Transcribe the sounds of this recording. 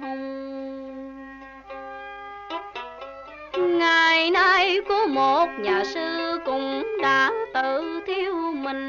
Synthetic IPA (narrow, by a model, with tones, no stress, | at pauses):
ŋa˨˩jnaː˧jku˨˦əmo˨˩t̚ɲaː˨˩sɨ˧kʊ̰˧˥ŋ͡mɗa̰ː˧˥t̪ɨ˧˩t̪ʰi˧əwmï˨˩ŋ̟